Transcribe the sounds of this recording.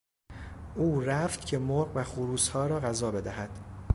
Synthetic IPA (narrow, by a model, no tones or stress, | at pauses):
ʔuːɾæft̪cʰe̞moɾɢvæxuɾuːshɒːɾɒːɣæzɒːbe̞d̪æɦæd̪̥